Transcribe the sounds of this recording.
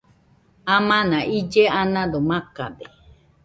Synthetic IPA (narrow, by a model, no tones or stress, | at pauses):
amãnãʔid͡ʒeanãd̪omãka̰de